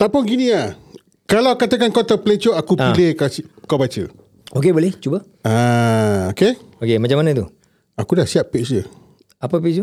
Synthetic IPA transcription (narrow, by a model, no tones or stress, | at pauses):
t̪apʊnɡinĩa | kalawkat̪əkankot̪aplet͡ʃoakuailehkakawbat͡ʃə̰ | okebolɛht͡ʃuba | aoke | okemat͡ʃamanãt̪u | akudahsiaʔpiʔsd͡ʒə | apəpiksu